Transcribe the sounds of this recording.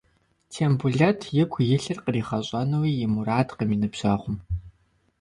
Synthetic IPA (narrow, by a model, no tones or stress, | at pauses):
tʰeːmbuɮɐtʰjɪɡʷʰjɪɬɨrqəriːχɐɕʼɐnɐwiːjɪmuɾaːtqəmiːnɨpɕɐχʷʊm